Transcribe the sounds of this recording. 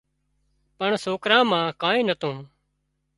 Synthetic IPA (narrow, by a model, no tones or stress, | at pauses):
pəɳsoːkɾãːmãːkaːĩːnət̪õː